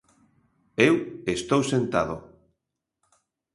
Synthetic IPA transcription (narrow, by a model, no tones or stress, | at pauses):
ewest̪owsent̪að̞ʊ